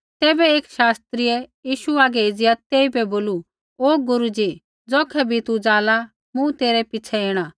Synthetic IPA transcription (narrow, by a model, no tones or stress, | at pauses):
t̪ɛːbɛeːkʃaːst̪ɾiɛjiːʃuaːɡɛeːd͡zɪjat̪eːibɛboːlu | oːɡʊɾud͡ʒi | d͡zɔːkʰɛbʱit̪ud͡zaːla | mũt̪eːɾɛpɪt͡ʃʰɛeːɽ̃a